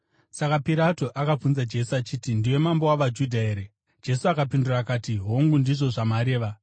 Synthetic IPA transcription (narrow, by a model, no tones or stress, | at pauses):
sakapiɾato̞ʔakab͡vunzad͡ʒe̞suat͡ʃiːtindiwe̞mambowaʋad͡ʒudʱaeːɾe | d͡ʒe̞suakapindurakaːtiɦoŋɡundiʐo̞ʐamaɾe̞ːʋa